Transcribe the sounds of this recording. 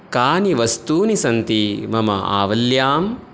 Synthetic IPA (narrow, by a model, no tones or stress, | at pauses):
kaːniʋɐst̪uːnisɐnt̪imɐmɐ̰a̰ːʋɐljaːm